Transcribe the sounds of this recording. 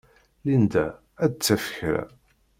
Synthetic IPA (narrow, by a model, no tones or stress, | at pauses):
lind̪æ | æd̪̚t͡sːæfə̥çɾæ̰